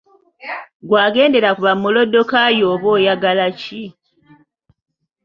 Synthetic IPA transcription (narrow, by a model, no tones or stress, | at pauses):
ɡwaːɡe̞ːnde̞ɾakuβamːulo̞dːo̞kajoːβo̞ːjaɡalaci